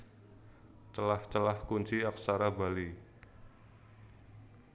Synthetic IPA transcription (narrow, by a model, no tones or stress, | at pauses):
t͡ʃəlaht͡ʃəlahkuɲt͡ʃiaksaɾaba̤li